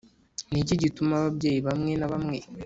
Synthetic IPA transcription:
niciɟitumaβabjeːjiβamŋe̞naβamŋe

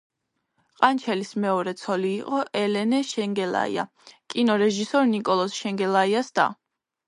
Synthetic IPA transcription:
qʼant͡ʃʰɛlismɛɔɾɛt̪sʰɔliːqʼɔʔɛlɛnɛʃɛŋɡɛla̰ḭa̰ | kʼinɔɾɛʒisɔɾnikʼɔlˠɔsʃɛŋɡɛlaiasd̪̥a̰

